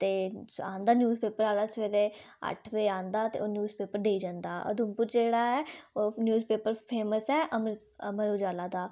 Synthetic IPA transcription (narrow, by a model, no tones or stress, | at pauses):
t̪eːã̰ːnd̪aːnjuːzpeːpəɾaːlaːsʋeːd̪e | ə̰ʈʰʋeːãːnd̪aːt̪ḛoːnjuːzpeːpəɾd̪eːid͡ʒãːnd̪aːʔə̰d̪ʊmpʊɾd͡ʒeːɽaːɛoːnjuːzpeːpəɾpʰeːməsɛːʔəmə | əməɾoːd͡ʒaːlaːd̪aː